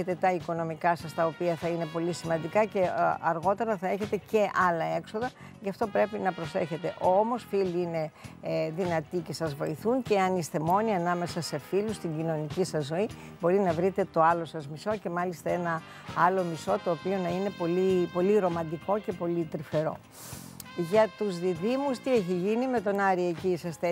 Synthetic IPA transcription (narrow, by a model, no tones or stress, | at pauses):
et̪e̞t̪ɐiko̞no̞mikɐsɐst̪ɐopiɐθɐine̞po̞lisimɐnd̪ikɐce̞ɐɾɣo̞t̪e̞ɾɐθɐe̞çe̞t̪e̞ce̞ʔɐlɐe̞kso̞ðɐ | ʝɐft̪o̞pɾe̞pinɐpɾo̞se̞çe̞t̪e̞ʔo̞mo̞sfiliine̞ðinɐt̪ice̞sɐzvo̞iθunceɐnist̪e̞mo̞niɐnɐme̞sɐse̞filust̪iɲɟino̞nicisɐzːo̞ibo̞ɾinɐvɾit̪e̞t̪o̞ɐlo̞sɐzmiso̞ce̞mɐlist̪ɐe̞nɐ | ɐlo̞miso̞t̪o̞ːpio̞nɐine̞po̞lipo̞liɾo̞mɐnd̪iko̞ce̞po̞lit̪ɾife̞ɾo | ʝɐt̪uzðiðimust̪ieçiʝinime̞t̪o̞nɐɾiecisɐst̪e